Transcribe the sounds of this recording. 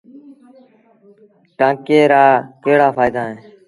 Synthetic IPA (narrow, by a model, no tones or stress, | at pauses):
ʈãːkeːɾaːkeːɽaːfʰaːɪd̪aːɦẽː